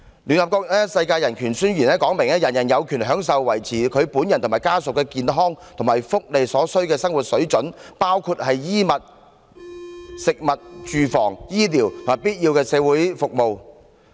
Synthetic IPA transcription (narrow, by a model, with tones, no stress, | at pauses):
ly˨nhɐ˨pkɔː˧k̚nɛː˥sɐ˧jkaː˧jɐ˨˩nkʰyː˨˩nsyː˥njyː˨˩nɛː˥kɔː˨˥ŋmɪ˨˩ŋɛː˥jɐ˨njɐ˨˩njɐ˨˧wkʰyː˨˩nɦœː˨˥ŋs̬ɐ˨wːɐ˨˩jt͡sʰiː˨˩kʰɵ˨˧ɥpuː˨˥njɐ˨nt̪ʊ˨˩maː˨˩jkaː˥sʊ˨kːɛː˧kiː˨nɦɔː˥ŋt̪ʰʊ˨˩ma˨jfʊ˥k̚le˨jsɔː˨˥sɵ˥ɥkɛː˧sɐ˥ŋwu˨t̚sɵ˨˥ɥt͡ʃɵ˨˥npaː˥wkʰu˧t̚hɐ˨jjiː˥mɐ˨t̚ | sɪ˨k̚mɐ˨t̚t͡ʃyː˨˧fɔː˨˩ŋjiː˥liː˨˩wtt̪ʰo˩maː˨˩piː˥t̚jiː˧wkɛː˧sɛː˨˧wuː˨˥jfʊ˨k̚mo˨˧w